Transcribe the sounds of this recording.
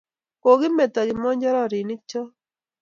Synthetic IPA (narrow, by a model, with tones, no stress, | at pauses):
ko˨ɡɪ˦me˨t̪ɔ˨ɡɪ˨mɔ˦ɲd͡ʒɔ˦ɾɔ˦˨ɾɪ˨nɪ˦t͡ʃɔ˦